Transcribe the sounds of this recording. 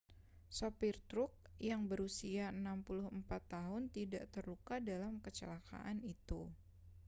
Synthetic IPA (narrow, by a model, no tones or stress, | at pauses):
sopirt̪ɾʊk̚jaŋbəɾusiaənampulʊɦəmpat̪ːaɦʊnt̪idaʔt̪ərlukadalamkət͡ʃəlaka̰ʔanit̪u